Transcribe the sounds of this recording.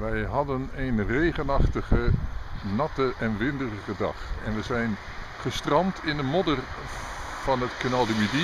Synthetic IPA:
ʋɛjɦɑdənejnrejχənɑχtəχənɑtəʔɛnʋɪndərəχədɑ̰χɛnʋəzɛjn | χəstrɑmtʰɪndəmɔdər | v̥ɑnətkənalˠdəmidi

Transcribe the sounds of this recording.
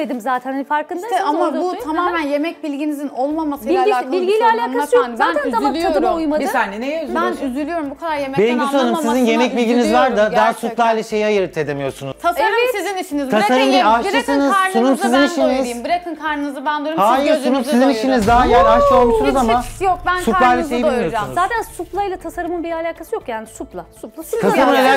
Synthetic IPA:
ed̪imzaːt̪ʰænanfaɾkɯnd̪aamabut̪ʰamaːmænje̞mɛc̚bilʲɟinizino̞lˠmamasɯiabilʲɡilʲɛalʲaːkʰaɯjozaːnʰænamant͡ʃad̪ɯmaujmad̪ɯnezænyzylʲyjo̞ɾumbukʰad̪aɾjemɛbejinɡianɯmsizinje̞mɛc̚bilʲɟinizvaɾd̪ad̪æsut̪lˠajlʲˠɛʃe̞jiajɯɾɯt̪ʰed̪emijo̞ɾsunuz̥t̪ʰasasiziniʃinizt̪ʰasaɾɯmd̪iaʃˠɯsɯnɯzsunumsiziniʃinizmbɯɾakʰɯnkʰaɾnɯnzɯband̪ˠuɾuhaːjiɾsunumsiziniʃinizd̪aɦajæɾaʃlˠaolˠd̪usunuzamajok̚bænsup̪ˠajlʲˠɛʃejib̪bilʲimijossunuzːt̪ʰænsuplˠajlˠat̪ʰasaɾɯmɯnbiɾalʲaːkʰasɯjokjaːnisuplˠasuplˠaut̪ʰaamunelʲæ

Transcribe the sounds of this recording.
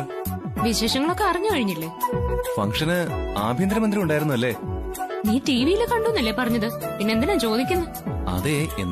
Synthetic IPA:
ʋiɕeːʂɐŋːɐɭo̞kːe̞ɐrɐɲːɨkɐɻiɲːilːe̞ːfɐ̰ŋʂɐnɨaːbʱjind̪ɾɐmɐnd̪ɾiuɳɖaːjɾunːuɐlːe̞ː | niːʈiːʋijilekɐɳɖunːɐlːepɐrɐɲːɐðɨpinːend̪ineːmt͡ɕo̞ːd̪ikʲːunːɐ | ɐ̰ðeḛnː

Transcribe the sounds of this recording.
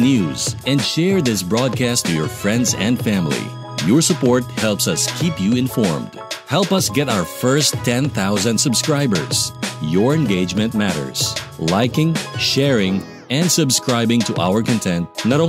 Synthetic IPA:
njuzɛ̃ndʃɛɹðɪsbɹɔd̚kʰæstʰɨjɔɹfɹɛ̃ndzɛ̃ndfæ̃mlḭ | jɔɹsəpɔɹt̚hɛlˠpsʌskʰipjuɪ̃nfɔɹmd̥ | hɛlˠpʌsɡɛɾaʊə˞fɜ˞stʰɛ̃nθaʊzə̃ndsɨbskɹaɪbə̰˞z̥jɔɹɨ̃nɡeɪd͡ʒmɨ̃ntmæɾə̰˞z̥laɪkɪ̃ŋʃɛɹɪ̃ŋ | ɛ̃ndsɨbskɹaɪbɪ̃ŋtʰuʔa̰ʊə˞kɨ̃ntʰɛ̃nt̚nəɾõ

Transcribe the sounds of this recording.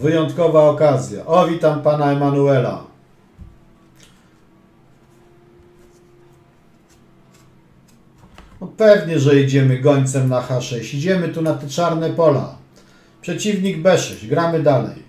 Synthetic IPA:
vɘjɔnt̪kɔvaɔkazʲja̰ʔɔvʲit̪ampanaɛmanuɛla̰ | ɔpɛvɲɛʐɛjɛd͡ʑɛmɘɡɔɲt̪sɛmnaxaʂɛɕɛd͡ʑɛmɘt̪unat̪ɛt͡ʂaɾnɛpɔla̰ | pʂɛt͡ɕivɲiɡbɛʂɛɕɡɾamɘd̪alɛ̰j

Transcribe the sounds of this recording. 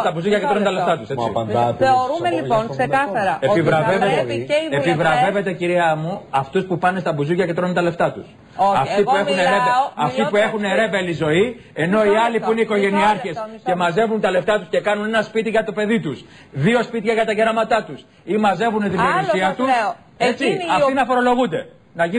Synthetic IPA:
st̪ɐbuzucɐcet̪ɾont̪ɐleft̪ɐt̪usɐnt̪eoɾumelionksekɐɐɾɐepivɾɐvevet̪epivɾɐve̞ve̞t̪e̞ciɾiɐmuɐft̪uspupɐne̞st̪ɐbuzucɐcet̪ɾo̞nunt̪ɐle̞ft̪ɐt̪us | ɐft̪ipue̞xuneɾevɐft̪ipue̞xune̞ɾe̞velizo̞i | e̞no̞iɐlipuineiko̞ʝe̞niɐɾçe̞sce̞mɐze̞vunt̪ɐle̞ft̪ɐt̪usce̞kɐnune̞nɐspit̪iʝɐt̪o̞pe̞ðit̪us | ðio̞spit̪çɐʝɐt̪ɐʝeɾɐmɐt̪ɐt̪us | imɐze̞vuneðiloisiɐt̪us | et͡siɐfinɐfo̞ɾo̞lo̞ɣund̪e̞ | nɐʝi

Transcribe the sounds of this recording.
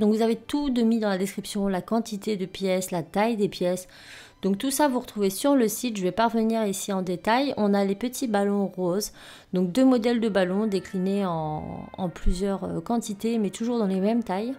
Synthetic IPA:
d̪ɔ̃kvuzavet̪ud̪əmid̪ɑ̃lad̪eskχipsjɔ̃lakɑ̃t̪it̪ed̪əpjɛslat̪ajd̪epjɛs | d̪̥ɔ̃k̚t̪usavuʁət̪χuvesyʁləsit̪ʒəvɛpaʁvəniʁisiɑ̃d̪et̪ajɔ̃nalepət̪ʰibalɔ̃ʁoz | d̪ɔ̃k̚d̪ømɔd̪ɛld̪əbalɔ̃d̪eklineɑ̃ɑ̰̃plyzjœʁø̰kɑ̃t̪it̪emɛt̪uʒuʁd̪ɑ̃lemɛmt̪aj

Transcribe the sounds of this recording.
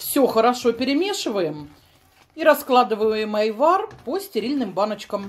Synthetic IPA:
fsʲoxəɾɐʂopʲɪɾʲɪmʲe̞ʂɨvəjɪm | iɾɐsklˠad̪ɨvəəjɪmɐjvarposʲtʲɪɾʲilʲnɨmbanət͡ɕkəm

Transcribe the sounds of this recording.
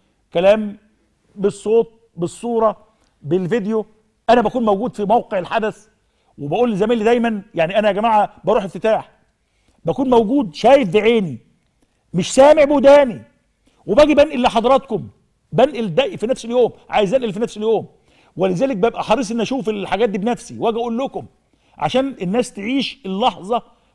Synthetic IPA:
kælæːm | besˤːoːt̪̚ | besˤːuːɾˤɑ | bɪlved̪ejo | ʔænæbækuːnmæwɡuːd̪fimæwqeʕelħad̪æs | webæʔuːlːzæmæːnlid̪æjmænjaʕniʔænæɡæmaːʕabɑɾuːħeft̪ɪt̪aːħ | bækuːnmæwɡuːd̪ʃæːjefd̪eʕeːni | mɪʃsæːmeʕbʊd̪æːni | webæːɡibænʔɪlːeħɑd̪ˤɑɾˤɑt̪kʊm | bænʔeld̪æʔfinæfseljoːmʕa̰ːjezʔænʔelfinæfseljoːm | welɪzæːlek̚bæbʔæħɑɾˤiːs̬ˤʔenːʔæʃuːfelħaɡæːt̪̚d̪iːbnæfsiwʔæːɡʔuːlːʊkʊm | ʕa̰ʃæːnenːæːst̪eʕiːʃelːɑħzˤɑ

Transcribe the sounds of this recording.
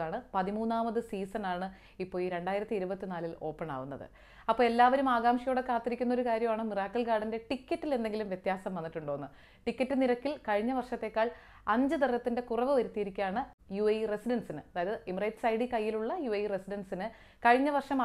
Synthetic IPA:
aːɳɨpɐðimuːnːaːmɐðɨsiːsɐnaːɳɨ | ipːo̞ːiːɾe̞ɳɖaːjiɾɐt̪ːiiɾubɐt̪ːinaːlilo̞ːpːeɳa̰ːʋunːɐ̰ðɨ̰ | ɐpːo̞ːelːaːʋɐɾumaːɡaːmʂijoːɽekːaːt̪ːiɾikʲːunːo̞ɾukaːɾjɐmaːɳɨmiraːkːɐlkaːɽinde̞ʈikʲːɐʈːile̞nd̪e̞ŋɡilumʋjet̪jaːsɐmʋɐnːiʈːuɳɖo̞ɣunːɨ | ʈikʲːɐʈːɨniɾɐkːilkɐɻiɲːɐʋɐrʂɐt̪ːe̞ːkːaːɭ | ɐɲd͡ʑɨd̪ɐrɐt̪ːinde̞kurɐʋɨʋɐɾut̪ːijiɾikʲːujaːɳɨ | juɐjresiɖɐnsinɨɐðaːjɐðɨʔimrɐjʈsɐjɽikɐjːiluɭːɐjuɐjresiɖɐnsinɨ | kɐɻiɲːɐʋɐrʂɐmɐ

